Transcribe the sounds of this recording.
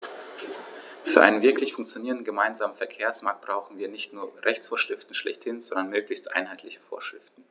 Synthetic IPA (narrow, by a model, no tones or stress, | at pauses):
fyːɐʔa̰ɪnənvɪɐklɪçfʊŋkt͡sjoniːʁəndn̩ɡəmaɪnzaːmən̩fɛɐkʰeːɐsmaɐk̚t̚b̥ʁaʊxn̩viːɐnɪçtnuːɐʁɛçt͡sfoːɐʃʁ̥ɪftn̩ʃlɛ̰çthɪnzɔndɐnmøːklɪçstʔa̰ɪnhaɪtlɪçə̥fo̰ːɐʃʁ̥ɪfttn̩